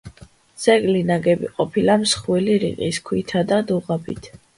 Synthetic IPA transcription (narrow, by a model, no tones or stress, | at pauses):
sɛɡʼlinaɡɛbḭqʼɔpʰilamsχwiliɾḭqʼiskʰwit̪ʰad̪ad̪uʁabḭt̪ʰ